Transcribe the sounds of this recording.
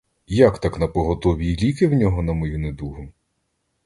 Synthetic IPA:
jakt̪aknɐpɔɦɔt̪ɔʋʲilʲikɪwnʲɔɦɔnɐmɔjuned̪uɦʊ

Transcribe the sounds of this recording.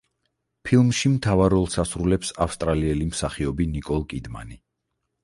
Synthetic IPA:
pʰilˠmʃimt̪ʰavaɾɔlˠsasɾulɛpsafst̪ʼɾaliɛlimsaχiɔbinikʼɔlˠkʼid̪ma̰ni

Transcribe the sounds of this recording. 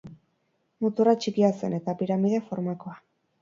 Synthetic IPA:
mut̪urat͡ʃikiase̞ne̞t̪apiɾamiðe̞foɾmako̞a

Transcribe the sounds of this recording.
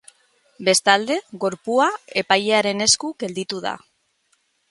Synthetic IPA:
be̞st̪ald̪e̞ɣo̞ɾpuae̞pajeaɾe̞ne̞skuɡe̞ld̪it̪uða̰

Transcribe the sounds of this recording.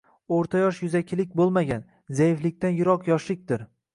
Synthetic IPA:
oɾt̪ʰajɒʃjʊzakʲʰɪlɪkʲbolˠmaɡʲan | zajɪflɪk̚ʲt̪anjʊɾɒqjɒʃlɪk̚ʲd̪ɪɾ

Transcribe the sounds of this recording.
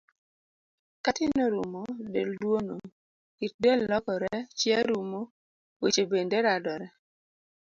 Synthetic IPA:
katɪnoɾumodeldwono | kit̚delːɔkɔɾɛt͡ʃjɛɾumo | wet͡ʃebendeɾadɔɾɛ

